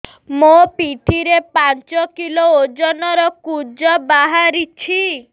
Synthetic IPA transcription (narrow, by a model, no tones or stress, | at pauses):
mopit̪ʰiɾepant͡ʃɔkilood͡ʒɔnɔɾɔkud͡ʒɔbaɦaɾit͡ʃʰi